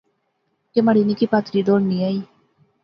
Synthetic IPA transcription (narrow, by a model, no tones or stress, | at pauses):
kemaɽinikipat̪ɾid̪oːɽniai